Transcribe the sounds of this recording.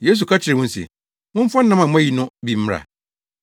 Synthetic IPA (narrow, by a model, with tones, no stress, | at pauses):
je˦s̬u˨kʰa˦t͡ɕʰɪ˨ɾɪ˨wʊ̃˦n̩˦sḭ˨ | mʊ̃˦m̩˦fɔ˦n̩˦nã˦mã˨mʊ̃˦æ˦ji˨nʊ̃˦bi˨m̩˦m˦ɾa̰˨